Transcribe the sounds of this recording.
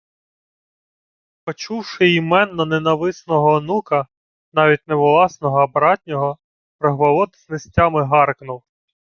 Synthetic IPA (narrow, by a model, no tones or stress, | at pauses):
pɔt͡ʃuwʃɪimɛnːɔnenɐʋɪsnɔɦɔːnukɐ | nɑʋʲit̚ʲneʋɔlˠɑsnɔɦɔɐbɾɑtʲnʲɔɦɔ | pɾɔɦʋɐlˠɔt̪ɪznesʲtʲɑmɪɦɑrknuw